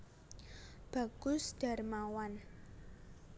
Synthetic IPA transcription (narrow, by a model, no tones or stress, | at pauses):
b̥a̤ɡ̥ʊsd̥a̤rmawan